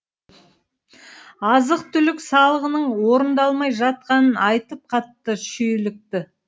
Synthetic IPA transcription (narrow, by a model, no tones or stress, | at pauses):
ɑzəqt̪ʰʏlɪksɑlˠəʁənəɴwo̞ɾənd̪ɑlˠmɑjʒɑt̪̚qɑnənɑjt̪əp̚qʰɑt̪ːəʃɵjlɪk̚t̪ɪ